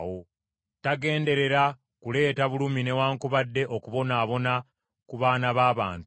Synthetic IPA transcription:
wo | taɡe̞ːnde̞ɾe̞ɾa | kule̞ːtaβulumine̞waːŋkuβadːe̞ʔo̞kuβo̞naːβo̞na | kuβaːnaβaːβa̰ːnt

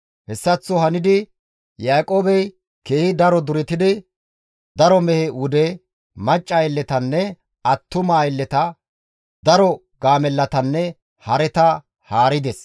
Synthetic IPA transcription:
hɛsːɐt͡sːʊɦɐnɪd̪ɪ | jaːkʼo̞ːbɛj | keːhɪd̪ɐɾɔd̪ʊɾɛt̪ɪd̪ɪ | d̪ɐɾɔmɛhɛʊd̪ɛ | mɐt͡ʃʼːɐjɛlːɛt̪ɐnːɛ | ɐt̪ːʊmajɛlːɛt̪ɐ | d̪ɐɾɔ | ɡaːmɛlːɐt̪ɐnːɛ | hɐɾɛt̪ɐ | haːɾɪd̪ɛs

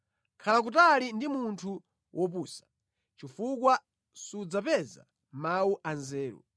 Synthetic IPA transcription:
kʰalak̬utalindimuntʰu | wʔɔp̬uːsḁ | t͡ʃifuk̬wa | sud͡zapɛza̰ | mawuʔanzɛːɾṵ

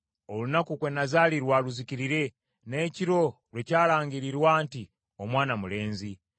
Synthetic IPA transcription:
o̞lunakukwenazaːliɾwaːluziciɾiɾe̞ | ne̞ciɾo̞ | lwe̞caːlaːŋɡiɾiɾwaːnti | o̞mwaːnamule̞ːnzi

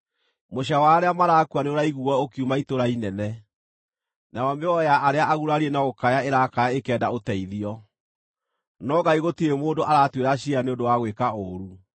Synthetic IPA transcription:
moɕawaɾeamaɾakuaneoɾaiɣuɔokiumaitoɾainɛnɛ | naɔmeɔjaʔːɾeaʔaɣuɾaɾienaɣokajaeɾakaaekɛːdaotɛiðiɔ | nɔɡaiɣotiemoːndoʔaɾatweɾaɕianeondowaɣwekaoɾu

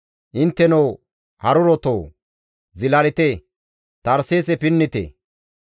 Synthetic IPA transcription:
ʔɪnt̪ːɛnow | hɐɾʊɾɔt̪oː | zɪlɐlɪt̪e | t̪ɐɾseːsɛpɪnːɪt̪ḛː

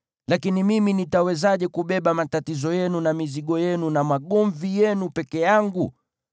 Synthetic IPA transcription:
lakinimiminitawɛzaʄɛkuɓɛɓamatatizɔjɛnunamiziɠɔjɛnunamaɠɔɱvijɛnupɛkɛjaŋɡu

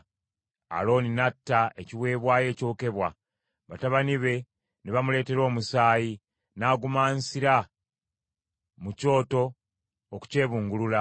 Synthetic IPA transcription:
a̰lo̞ːninatːae̞ciwe̞ːβwaːje̞ːco̞ːke̞βwa | βataβaniβe̞ | neβamule̞ːte̞ɾo̞ːmusaːji | naːɡumaːnsiɾa | muco̞ːto̞ː | ku̥ce̞ːβuːŋɡulula

